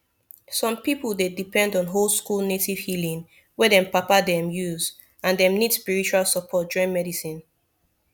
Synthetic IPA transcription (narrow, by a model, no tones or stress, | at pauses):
sɔ̃mpipulˠdedipɛ̃ndɔ̃nɦolˠskulˠnetiv̥hilĩŋ | wɛdɛ̃mpapadɛ̃mjuz | ãndɛ̃mnid̥spiɹit͡ʃualˠsəpʰɔt̚d͡ʒɔɹĩnmɛdisĩn